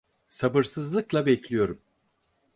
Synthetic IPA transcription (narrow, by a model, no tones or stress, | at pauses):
sabɯɾsɯzlˠɯklˠabɛclʲijo̞ɾum